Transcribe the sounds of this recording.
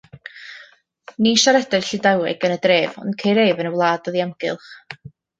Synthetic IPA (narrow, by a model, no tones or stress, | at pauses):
niʃaɾɛdɛrɬɪdawɛ̰ɡənədreːvɔ̰nkʰejɾeːvənəwlˠaːdɔðiamɡ̥ɪ̰lˠχ